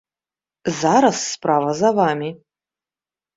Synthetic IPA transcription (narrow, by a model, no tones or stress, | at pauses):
zaɾasːpʰravɐzavami